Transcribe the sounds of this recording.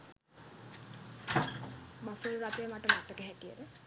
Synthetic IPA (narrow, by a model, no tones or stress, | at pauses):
mafoluɾat̪ejəmaʈəmat̪ːəkeɦæʈijəɾe